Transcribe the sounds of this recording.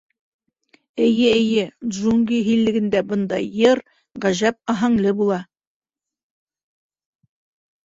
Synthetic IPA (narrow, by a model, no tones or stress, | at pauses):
ɘ̆jɘɘ̆jɘʒuŋɡiɦilːɘ̆ɡɘ̆nd̪æbɤ̆nd̪ɑjɤɾ | ʁæʒæp̚ɑɦɑɴlɤbulˠɑ